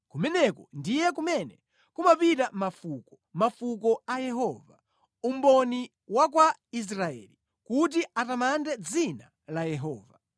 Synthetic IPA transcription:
kumɛnɛkɔndijɛkumɛnɛ | kumapitamafukɔ | mafukɔajɛɦɔva | um̩bɔni | wak̬wais̬ɾaɛ̰ːli | kut̬iatamandɛd͡zina | lajɛɦɔːva

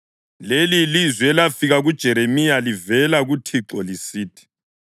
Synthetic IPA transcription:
lelilizwɛlafiɣaɣud̥ʒ̥ʱɛɾemijalivɛlaɣutʰiǁɔlisiːtʰi̥

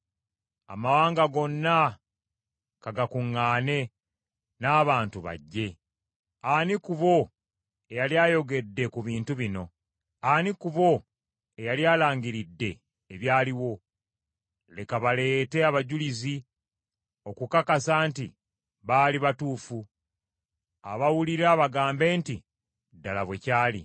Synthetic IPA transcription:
a̰mawaːŋɡaɡo̞nːa | kaɡakuŋːaːne̞ | naːβaːntuβa̰ɟːe̞ | anikuβo̞ | ejaljaːjo̞ɡe̞dːe̞kuβiːntuβino̞ | anikuβo̞ | e̞jaljaːlaːɲɟiɾidːe̞ː | βjaːliwo̞ | le̞kaβale̞ːte̞aβaɟulizi | o̞kukakasaːnti | βaːliβatuːfu | aβawuliɾaβaɡaːmbe̞ːnti | dːalaβwe̞caːlḭ

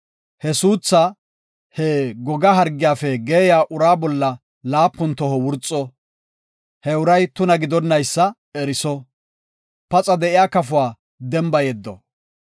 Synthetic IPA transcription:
hɛsuːt͡sːɐ | hɛɡɔɡɐɦɐɾɡːɪjaːfɛɡeːjaːʔʊɾaːbɔlːɐ | laːpːʊnt̪ɔhɔwʊɾt͡sʼːɔ | hɛʊɾɐjt̪ʊnɐɡɪd̪ɔnːɐjsːɐ | ɛɾɪsɔ | pɐt͡sʼɐd̪ɛɪjaːkɐfʊwaː | d̪ɛmbɐjɛd̪ːɔ̰

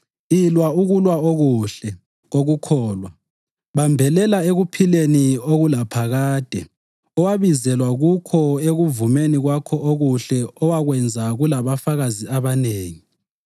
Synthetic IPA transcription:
ilwauɣulwaoɣuɬɛ | ɣoɣukʰɔːlwa | βambʱɛlɛlaeɣupʰilenioɣulapʰaɣaːd̥ʱɛ̰ | ɔwaβizɛlwaɣukʰɔeɣuvumeniɣwakʰɔʔoɣuɬɛɔwaɣwɛnd͡zʱaɣulaβafaɣaziaβaneːŋi

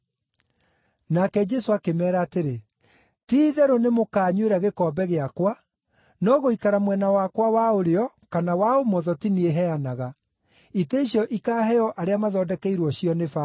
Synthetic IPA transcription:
nakɛd͡ʒɛsoakemɛːɾaːteɾe | tiðɛɾonemokaːɲweɾaɣekɔːbɛɣeakwa | nɔɣoikaɾamwɛnawakwawaoɾeɔ | kanawaomɔðɔtinieɦɛanaɣa | iteiɕjɔʔikaːɦɛɔʔaɾeamaðɔːdɛkɛiɾwɔɕiɔnefa

